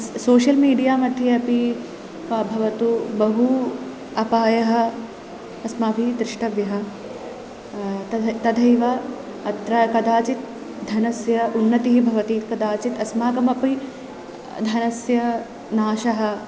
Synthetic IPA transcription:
soːʃɐlmiːɖijaːmɐd̪ʱjɐɐpi | pɐbʱɐʋɐt̪ubɐɦu | ɐpaːjɐɦɐ̆ | ɐsmaːpid̪ɾɪʂʈɐʋjɐɦɐ̆ | ɐt̪ɐd̪ʱɐjʋɐ | ɐt̪ɾɐkɐd̪aːt͡ʃit̪̚ | d̪ʱɐnɐsjɐunːɐt̪iɦibʱɐʋɐt̪ikɐd̪aːt͡ʃit̪ɐsmaːkɐmɐpi | d̪ʱɐnɐsjɐ | naːʃɐɦɐ̆

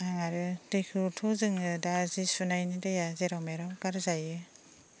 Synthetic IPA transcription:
aŋaɾɯdikʰɯtʰɔzɯŋɯdazisunajnidajazeɾawmeɾɔwkaɾzajɯ

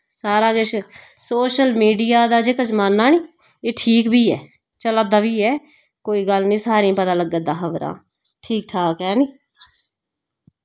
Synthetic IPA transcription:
saːɾaːɡɪt͡ʃ | soːʃəlmiːɖijaːd̪aːd͡ʒeːkət͡ʃmanːaːniː | eːʈʰiːkbʱiːɛː | t͡ʃəlaːd̪aːbiːɛː | koːiːɡəlnĩːsaːɾĩːpət̪ãːləɡəd̪aːxəʋɾa̰ː | ʈʰiːk̚ʈʰaːkɛːniː

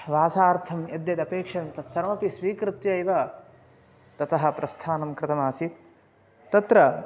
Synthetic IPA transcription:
ʋaːsaːɾt̪ʰɐmjɐd̪jɐt̪ɐpeːkʂɐnnt̪ɐt̪sɐɾɐmɐpisʋiːkɾɨt̪jɐiʋɐ | t̪ɐt̪ɐɦɐ̆pɾɐst̪ʰaːnɐmkɾɪt̪ɐmaːsit̪ | t̪ɐt̪ɾɐ

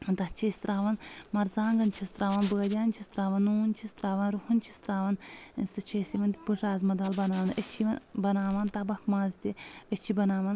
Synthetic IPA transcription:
t̪ɐt͡ʃʰist̪ɾaːʋɐnmɐɾzaːŋɡɐnt͡ʃʰist̪ɾaːʋɐnbəːd̪ʲjaːnt͡ʃʰist̪ɾaːʋɐnːuːnt͡ʃʰist̪ɾaːʋɐnɾuhɐnt͡ʃʰist̪ɾaːʋɐnsɨt͡ʃʰeːsiʋɐnt̪ibɨʈʰɾaːzmɐd̪albɐnaːʋɐnət͡ʃʰiʋɐnbɐnaːʋaːnt̪ɐbɐkmãːzt̪ʲiət͡ʃʰibɐnaːʋɐn

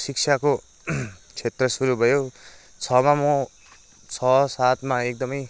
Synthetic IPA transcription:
sikt͡sʰako | t͡sʰet̪rʌsuɾubʱʌjo | t͡sʰʌmamʌ | t͡sʰʌsat̪maek̚d̪ʌmʌj

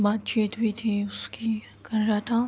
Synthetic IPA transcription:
baːt̪t͡ʃiːt̪bʱit̪ʰiʊski | kɐɾɾaat̪ʰa

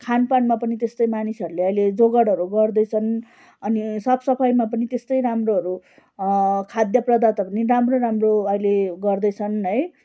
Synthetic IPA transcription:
kʰanpanmapʌnit̪est̪ʌjmanisʌɾuleʌjled͡zoɡʌɽʌɾuɡʌrd̪ʌjt͡sʰʌn | ʌnisʌbsʌpʰʌjmap̬ʌnit̪est̪ʌjɾamroɦʌɾu | kʰad̪jʌprʌd̪at̪ʌpʌniramroɾamroʌjleɡʌrd̪ʌjt͡sʰʌnɦʌj

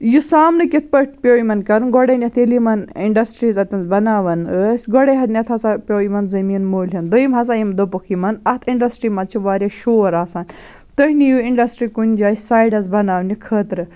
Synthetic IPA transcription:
jusaːmnɨkit̪̚ʰpəʈ̚ʰpʲoːimɐnkɐɾɨnɡɔɽɐnʲɐt̪ʰilimɐniɳɖɐsʈɾiːzɐt̪ɐnzbɐnaːʋɐnəsʲɡɔɽeɦɐt̪nʲɐt̪ʰɦɐsapʲoːjimɐnzɐmiːnmoːlʲjɐnd̪oimɦɐsajimd̪opukʰimɐnɐt̪ʰiɳɖɐsʈɾimɐt͡ʃʰuʋaːɾʲjaʃoːɾaːsaːn | t̪əɦnijuiɳɖɐsʈɾikunʲd͡ʒaːsaːjɖɐzbɐnaːʋnikʰəːt̪ɾɨ

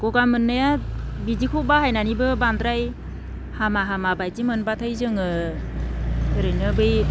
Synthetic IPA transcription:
ɡ̥ɔɡamɯnːɯjabidikʰɔwbaɦajnanibɯbandɾaj | hamaɦamabajtimɯnbatʰajzɯŋɯ | ɾɯjnɯbɯj

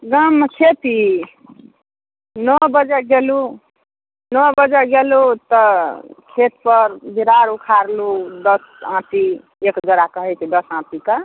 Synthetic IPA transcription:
ɡʌmkʰet̪i | nʌbʌd͡zaɡelu | nɔbʌd͡zaɡelut̪ʌkʰet̪pʌɾbiɾaɾukʰaɾlud̪ʌs | ãt̪i | ekd͡zʌɾakʌɦejt̪ʰid̪ʌsãt̪ika

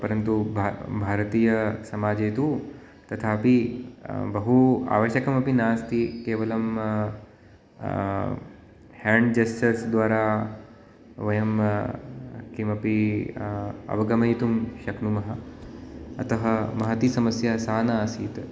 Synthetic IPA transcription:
pɐɾɐnt̪ubʱbʱaːɾɐt̪iːjɐsɐmaːd͡ʒeːt̪u | t̪ɐt̪ʰaːpi | bɐɦua̰ːʋɐʃɐkɐmɐpinaːst̪ʰikeːʋɐlɐm | haːɳɖd͡ʒesʈɐɾsd̪ʋaːɾaː | ʋɐjɐm | kimɐpi | ɐ̰ʋɐɡɐmɐjt̪umʃɐknumɐɦɐ̆ | ɐ̰t̪ɐɦɐmɐɦɐt̪isɐmɐsjasaːnaːsiːt̪

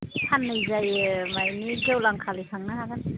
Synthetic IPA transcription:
hʰanːɯjzajmajniɡewlaŋkʰalisʰaŋnaɦaɡan

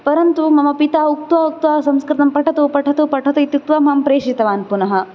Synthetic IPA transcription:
pɐɾɐnt̪umɐmɐpit̪aːuk̚t̪ʋaːuk̚t̪ʋaːsɐmskɾɪt̪ɐmpɐʈʰɐt̪uːpɐʈʰɐt̪uːpɐʈʰɐt̪ɐit̪juk̚t̪ʋaːmɐmpɾeːʂit̪ɐʋaːnpunɐɦɐ̆

